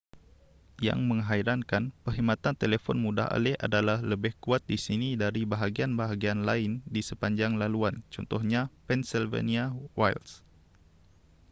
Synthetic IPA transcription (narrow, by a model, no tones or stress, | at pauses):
ja̰ŋmə̃ŋɦaiɾankanpərɦimat̪ant̪elefɔ̰nmuda̰ɦa̰lɛha̰dalahləbɪhkuat̪̚disinidaɾibaɦaɡianbaɦaɡianlaɪndisəpaɲd͡ʒaŋlaluant͡ʃɔ̰nt̪ɔhɲapɛnsilvḛniawa̰jls